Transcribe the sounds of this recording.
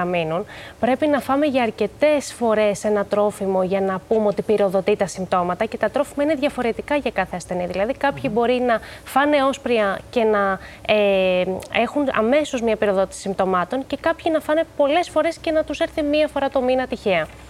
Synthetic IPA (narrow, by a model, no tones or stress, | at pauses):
ɐminunpɾe̞pinɐfɐme̞ʝɐːɾce̞t̪e̞sfo̞ɾe̞se̞nɐt̪ɾo̞fimo̞ʝɐnɐpumeo̞t̪ipiɾo̞ðo̞t̪it̪ɐsimpt̪o̞mɐt̪ɐce̞t̪ɐt̪ɾo̞fimɐine̞ðʝɐfo̞ɾe̞t̪ikɐʝɐkɐθe̞ɐste̞niðilɐðikɐpçibo̞ɾinɐfɐne̞o̞spɾiɐce̞nɐe | exunɐ̰me̞so̞zmɲɐpiɾo̞ðo̞t̪isi̥simpt̪o̞mɐt̪o̞nce̞kɐpçinɐfɐne̞po̞le̞sfo̞ɾe̞sce̞nɐt̪use̞ɾθimiɐfo̞ɾɐt̪o̞minɐt̪içe̞ɐ